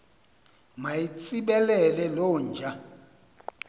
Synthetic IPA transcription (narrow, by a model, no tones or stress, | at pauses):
majit͡sʼiɓɛlɛlɛlɔːnd͡ʒʱa